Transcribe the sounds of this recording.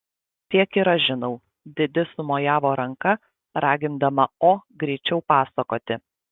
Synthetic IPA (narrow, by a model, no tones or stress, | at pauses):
t̪ʲiɛkiːɾɐʒʲɪnɐʊ | d̪ʲɪd̪ʲɪsʊmoːjaːʋoːɾɐŋkɐ | ɾɑːɡʲɪnd̪ɐmɐoːɡɾʲɛɪt͡ʃʲɛʊpɑːsɐkoːt̪ʲɪ